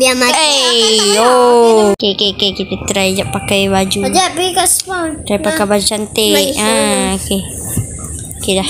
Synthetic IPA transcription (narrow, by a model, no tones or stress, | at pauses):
biama | okekekekit̪et̪ɾajd͡ʒaʔpakajbad͡ʒud͡ʒabikasbant̪ɾajpakabad͡ʒut͡ʃant̪eʔaoke | okeda